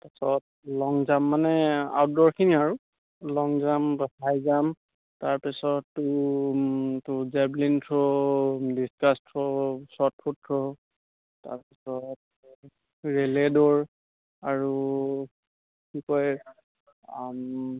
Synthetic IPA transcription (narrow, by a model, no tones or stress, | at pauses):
tasɔt̚ | lɔŋzamːanɛa̰wt̚dɔɹkʰiniaɹu | lɔŋzambajzam | taɹpisɔtːu | tʊzɛblintʰɔdistastʰɹɔsɔt̚pʰutʰːɔ | ta̰ɹpisɔt̚ | ɹelɛdɔɹ | aɹu | kikɔj | am